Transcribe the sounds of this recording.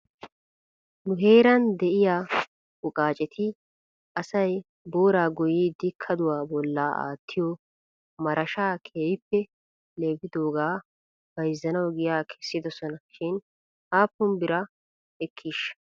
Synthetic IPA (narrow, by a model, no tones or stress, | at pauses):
nʊɦe̞ːɾɐnd̪ɛʔɪjaː | ʊkʼaːt͡ʃʼɛt̪ʰɪ | ʔɐsɐj | bo̞ːɾaːɡʊjid̪ɪkʰːɐd̪ʊwaːbɔlːaːʔa̰ːt̪ʰːɪjɔ | mɐɾʔɐʃaːkʰeːjɪpːɛ | le̞ːbɪd̪o̞ːɡaː | b̥ɐjzːɐnɐwɡɪjaːkʰɛ̥sːɪd̪ɔsɔnɐʃɪn | ʔaːpːʊmbɪɾɐ | ɛkʰːiʃ